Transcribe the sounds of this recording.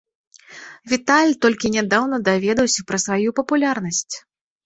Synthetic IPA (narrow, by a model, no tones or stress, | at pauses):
vʲit̪alʲt̪ɔlʲkʲinʲad̪awn̪ɐd̪avʲɛd̪ɐwsʲɐpɾɐsvajupɐpulʲarnɐsʲt͡sʲ